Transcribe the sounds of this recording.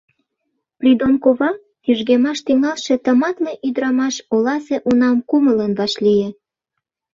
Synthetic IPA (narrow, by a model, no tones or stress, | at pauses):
prʲid̪onkoβɑ | kyʒɣemɑʃt̪iŋɑlʃet̪əmɑt̪meʔyd̪ɾɑmɑʃolɑseʔunɑmkumələnβɑʃlijĕ